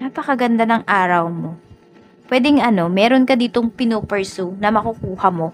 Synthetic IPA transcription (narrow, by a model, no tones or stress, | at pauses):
naːpɐkɐɡɐnd̪anɐŋʔaːɾɐwmo̞ | pwɛd̪ɛŋʔɐno̞mɛːɾonkɐd̪iːt̪oŋpɪnuːpɛɹsunɐmɐkukuːhɐmo̞